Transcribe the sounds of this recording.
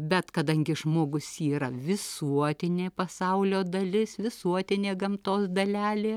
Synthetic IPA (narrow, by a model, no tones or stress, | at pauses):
bʲɛt̪kɐd̪ɐŋʲɡʲɪʒmoːɡʊsiːɾɐʋʲɪsuɔt̪ʲɪnʲeːpɐsɐʊlʲoːd̪ɐlʲɪsʋʲɪsuɔt̪ʲɪnʲeːɡɐmt̪oːsd̪ɐlʲæːlʲeː